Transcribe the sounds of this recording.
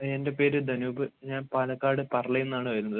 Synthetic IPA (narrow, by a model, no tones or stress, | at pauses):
ende̞pe̞ːɾɨd̪ɐnuːbɨɲaːnpaːlɐkːaːɽɨpɐrɐɭɐjenːaːɳɨʋɐɾunːɐðɨ